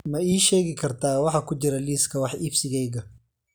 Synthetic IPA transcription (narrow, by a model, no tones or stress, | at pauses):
mɐiːʃɛːɣɪkʰɐrt̪ʰaːwɑħɑːkʰʊt͡ʃɪɾɐliːskʰɐwɑħibsɪɣɛjɣɐ